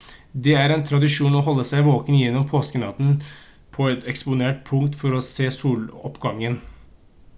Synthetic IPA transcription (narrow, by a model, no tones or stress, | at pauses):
d̪ɛæɾɛnt̪ʰɾɑd̪ɪʂuːnɔɦɔlːəsæɪʋoːkənjɛnːɔmpʰoːskənɑt̪n | pʰɔɛt̪ɛkspʊneːʈ̚pʰʊŋt̪fɔɾɔseːsuːlɔ̰pɡɑŋːən